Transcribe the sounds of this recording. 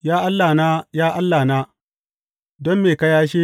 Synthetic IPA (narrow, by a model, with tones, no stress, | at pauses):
jaː˦ʔa˦lːaː˨na˦jaː˦ʔa˦lːaː˨naː˦ | dɔ˦mːeː˨kɐ˦jaː˦ʃ̬eː˦